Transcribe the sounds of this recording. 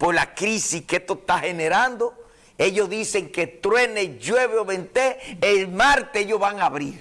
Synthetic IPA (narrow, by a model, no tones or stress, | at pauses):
poslakɾisihkeht̪oeht̪ahe̞neɾand̪o | e̞ʝo̞zðise̞ŋke̞t̪ɾwe̞neʝwe̞βeoβent̪eːlmaɾt̪eeʝjozβaŋaβɾiɾ